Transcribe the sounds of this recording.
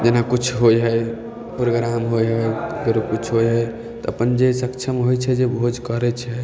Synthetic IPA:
d͡ʒenakut͡ʃʰɦojɦəj | pɾoɡɾamɦojɦəjɡəɾukut͡ʃʰɦojɦəj | t̪ɔəpənd͡ʒesəkt͡ʃʰəmɦojt͡ʃʰɛd͡ʒebʱod͡ʒʱkəɾɛt͡ʃʰɛ

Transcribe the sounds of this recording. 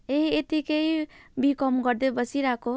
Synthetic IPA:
eɦiet̪ikeibikɔmɡʌɾd̪ebʌsiɾako

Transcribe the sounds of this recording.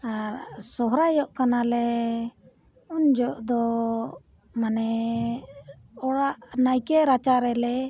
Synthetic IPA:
aɾsɔɦɾajɔʔkanalɛ | und͡ʒɔʔd̪ɔ | manɛ | ɔɽaʔnajkɛɾat͡ʃaɾɛlɛ

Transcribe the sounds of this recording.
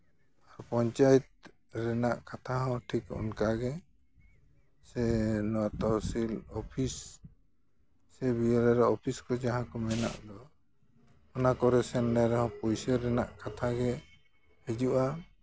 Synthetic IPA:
aɾɔpɔɲt͡ʃajɛt̪̚ | ɾɛnaʔkat̪ʰaɦɔ̃ʈʰikɔ̰nkaɡɛ | sɛnɔwat̪ɔsilɔpʰis | ɛbijɔɾɛɾaɔpʰiskɔd͡ʒaɦãkɔmɛna̰ʔd̪ɔ | ɔnakɔɾɛsɛnːɛɾɛɦɔ̃pɔjsɛɾɛnaʔkat̪ʰaɡɛ | hɛd͡ʒuʔa

